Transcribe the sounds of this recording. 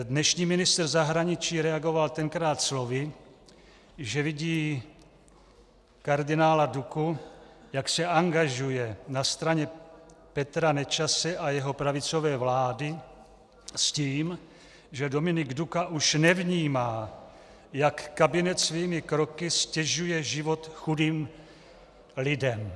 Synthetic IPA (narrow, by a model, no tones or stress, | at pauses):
dnɛʃɲiːmɪnɪst̪rzaɦɾaɲɪt͡ʃiːɾɛaɡo̞valt̪ɛŋkɾaːt̪slovɪ | ʒɛvɪɟiː | kaɾdɪnaːladuku | jaksɛaŋɡaʒujɛnast̪ɾaɲɛpɛt̪ɾanɛt͡ʃasɛʔajɛɦo̞pɾavɪt͡so̞vɛːvlaːdɪ | sciːm | ʒɛdo̞mɪnɪɡdukaʔuʃnɛvɲiːmaː | jakːabɪnɛt̪sviːmɪkɾokɪscɛʒujɛʒɪvo̞t̪xudiːm | lɪdɛm